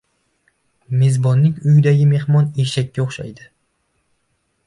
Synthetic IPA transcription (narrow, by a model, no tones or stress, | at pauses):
me̞zbɒnːɪŋʲʊjɪd̪aɡʲɪme̞hmɒne̞ʃakʲːaoχʃa̰jd̪ɪ